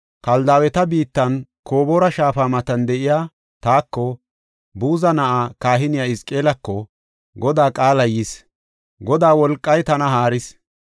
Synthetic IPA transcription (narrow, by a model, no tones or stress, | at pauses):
kɐld̪aːwɛt̪ɐbiːt̪ːɐnkʰo̞ːboːɾɐʃaːfaːmɐt̪ɐnd̪ɛʔɪjaː | t̪aːkːɔ | buːzɐnɐʔaːkaːɦɪnɪjɐɪskʼe̞ːlɐkːɔ | ɡɔd̪aːkʼaːlɐjɪs | ɡɔd̪aːwɔlkʼːɐjt̪ɐnɐɦaːɾɪs